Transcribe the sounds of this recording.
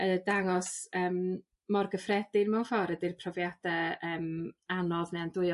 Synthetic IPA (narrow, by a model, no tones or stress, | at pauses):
ədaŋɔsəːmː | ɔrɡəfrɛdɪnmɛwnfɔɾədɪrpʰrɔvjadɛəːmanɔðnɛandʊɨ